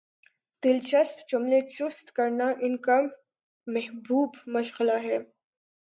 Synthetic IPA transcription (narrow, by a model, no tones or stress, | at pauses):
d̪̥ɪlt͡ʃɐspt͡ʃʊmlet͡ʃʊst̪kɐɾnaʔɪnka | mɛɦbuːbmɐʃɣɪlaɦɛː